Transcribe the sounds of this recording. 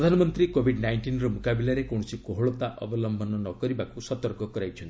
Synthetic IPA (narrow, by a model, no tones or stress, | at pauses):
ɾɔd̪ʱanɔmɔnt̪ɾikobʱiɖnajɳʈinɾɔmokabilaɾekɔɽ̃ɔsikoɦoɭɔt̪aʔɔ̰bɔlɔmbʱɔnɔnɔkɔɾibakusɔt̪ɔɾkɔkɔɾajt͡ʃʰɔnt̪i